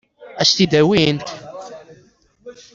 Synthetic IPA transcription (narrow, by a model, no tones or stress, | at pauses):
æʃt̪id̪æwint̪